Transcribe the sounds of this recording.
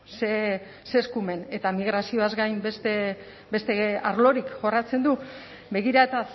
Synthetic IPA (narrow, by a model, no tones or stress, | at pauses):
se | seskume̞ne̞t̪amiɣ̞ɾasio̞azɡajmbest̪e | be̞st̪e̞aɾlo̞ɾikʝo̞rat͡se̞nd̪u | be̞ɣiɾaet̪a